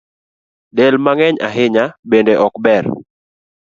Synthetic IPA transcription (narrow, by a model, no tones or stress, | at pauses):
dɛlmaŋɛɲa̰ɦɪɲabendeʔɔkbɛr